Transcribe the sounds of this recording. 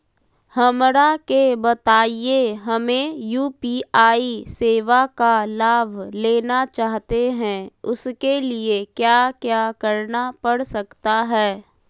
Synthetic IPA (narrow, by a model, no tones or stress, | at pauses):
hɐmɾakebɐt̪aːijeɦɐmẽjuːpiːaːiseːʋakalaːʋʱleːnat͡ʃaːɦt̪eɦɛ̃ʊskeliekjaːkjaːkɐɾnapɐɽ̤sɐkt̪aɦɛː